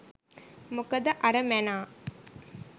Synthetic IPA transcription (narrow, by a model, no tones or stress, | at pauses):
mukəd̪əʔɐɾəmænaː